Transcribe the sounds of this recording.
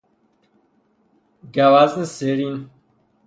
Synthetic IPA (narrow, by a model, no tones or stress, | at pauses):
ɡawazəseɾin